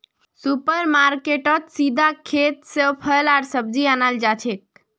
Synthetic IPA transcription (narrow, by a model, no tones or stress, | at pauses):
supəɾmaɾkeʈət̪sid̪ʱakʰet̪sepʰəlaɾsəb̚d͡ʒianald͡ʒat͡ʃʰek̚